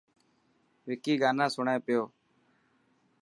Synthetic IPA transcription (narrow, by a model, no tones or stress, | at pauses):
ʋɪkiːɡaːnãːsʊɳẽːpɪjoː